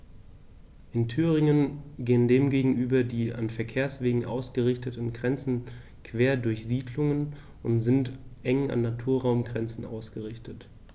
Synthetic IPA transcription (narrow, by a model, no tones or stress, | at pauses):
ʔɪntʰyːʁɪŋənɡeːəndeːmɡeːɡŋ̩ʔyːbɐdiːa̰nfɛɐkʰeːɐsv̥eːɡŋ̩ʔaʊsɡ̥əʁɪçtətn̩ɡʁɛnt͡sn̩ | kv̥eːɐdʊɐçz̥iːdlʊŋən | ʊntz̥ɪntʔɛŋa̰nːatʰuːɐʁaʊmɡʁɛnt͡sn̩a̰ʊsɡ̥əʁɪçtət